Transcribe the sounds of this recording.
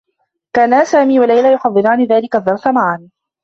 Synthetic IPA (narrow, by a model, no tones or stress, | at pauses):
kaːnasaːmiːwalajlaːjʊħɑðˤːɨɾaːnɪðaːlɪkaðːɑɾˤsamaʕan